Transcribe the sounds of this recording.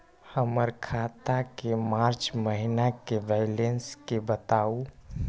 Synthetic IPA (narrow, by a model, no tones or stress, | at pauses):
həməɾkʰat̪akemaɾt͡ʃməɦinakebalenskebət̪au